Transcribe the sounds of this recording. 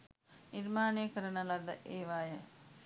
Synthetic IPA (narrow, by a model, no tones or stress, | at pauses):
niɾmaːnejkəɾənəlad̪əʔeːʋaːjə